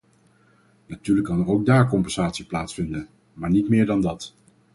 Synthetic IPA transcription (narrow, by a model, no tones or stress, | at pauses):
natyːɹləkːɑnərowɡ̚daːɹkɔmpɛnz̥aːtsiplaːtsfɪndən | maːɹnitmɪːɹdɑndɑt